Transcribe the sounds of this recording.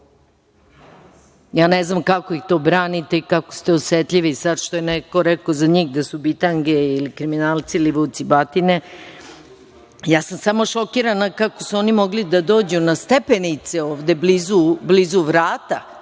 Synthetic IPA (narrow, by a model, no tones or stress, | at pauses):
jaːneznamkako̞ixt̪o̞bɾaːnit̪eikako̥st̪eosʋet̪ʎiʋisad̪ʃt̪o̞jeneko̞ɾɛkozaɲiːxd̪asubit̪aŋɡeilikɾiminaːlˠt̪siliʋut̪sibat̪ine | jaːsamsamo̞ʃo̞kiɾanakako̞suo̞nimo̞ɡlid̪ad̪o̞ːd͡ʑunast̪epenit̪seoːʋd̪e̞blizublizuʋɾaːt̪a